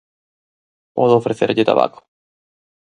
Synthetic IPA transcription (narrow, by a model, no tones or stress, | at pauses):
pɔðoofɾeθeɾʎɪt̪a̰βa̰ko̥